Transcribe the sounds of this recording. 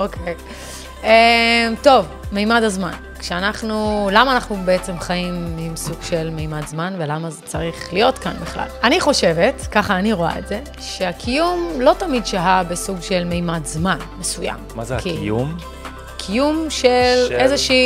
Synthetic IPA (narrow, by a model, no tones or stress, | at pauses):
okʰej | emto̞v | mejmadazma̰n | kʃeanaχnulamaːnaχnubeet͡se̞mχajimimsuɡʃe̞lmejmadzmanvelamazet͡saʁiχlijo̞tkanbiχla̰laniχo̞ʃe̞ve̞tkaχaːniʁoa̰ḛtz̥e | ʃeakʰijumlo̞tamidʃaɦabesuɡʃe̞lmejmadzmanmesuja̰mmazkium | kʰijumʃelezeʃi